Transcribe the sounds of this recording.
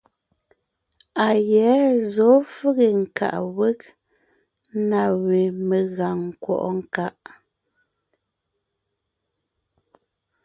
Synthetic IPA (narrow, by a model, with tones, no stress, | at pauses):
a˨jɛ˨˦zɔ˨˦fʉ˦ɣe˨ŋ̩˨ka̰˨ʔwe˦k̚ | na˨we˨me˨ɣa˨ŋ˨kwɔ̰˨ʔɔ˦ŋ˦ka˦ʔ